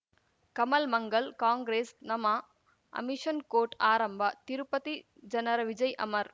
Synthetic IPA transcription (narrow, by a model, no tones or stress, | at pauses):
kɐmɐlmɐŋɡɐlkaːŋɡɾeːsnɐmɐ | ɐ̰miʂɐnkoːɾʈaːɾɐmbʱɐt̪iɾupɐt̪i | d͡ʒɐnɐɾɐʋid͡ʒɐjʔɐ̰mɐɾ